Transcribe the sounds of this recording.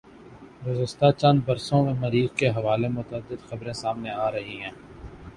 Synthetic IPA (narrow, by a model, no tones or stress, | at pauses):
ɾʊzəst̪at͡ʃɐ̃nd̪bɐɾsõmẽmɐɾiːzkeɦɐʋaːlemʊt̪əd̪ːɪd̪xɐbɾẽsaːmneaːɾɐɦiɦɛ̃ː